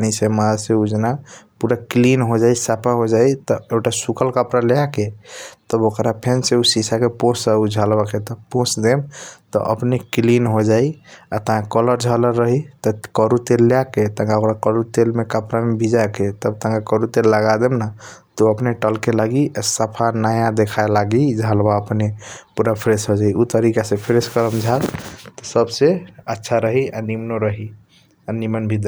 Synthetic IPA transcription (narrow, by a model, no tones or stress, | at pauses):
nisemãseud͡ʒnapuɾaklinɦod͡ʒaisapʰaɦod͡ʒait̪ɔekʈasukəlkəpɾalejaket̪əbokɾapʰenseusisakepõsəud͡ʒʱəlbaket̪ɔpõsd̪emt̪ɔ̰ʔə̰pneklinɦod͡ʒaiat̪əɦãkələɾd͡ʒʱələɾːəɦit̪ɔkəɾut̪elːeaket̪ə̃ŋɡaokɾakəɾut̪elmekapɾamebʱid͡ʒaket̪əb̚t̪ə̃ŋɡakəɾut̪elːəɡad̪emna | t̪uəpneʈəlkelaɡiʔasəpʰanajãd̪ekʰaelaɡid͡ʒʱalbaəpnepuɾapʰɾesɦod͡ʒaiut̪əɾikasẽpʰɾeskəɾəmd͡ʒʱalt̪ɔsəbseətːʃʰaɾəɦianimnoɾəɦi | animənbʱid̪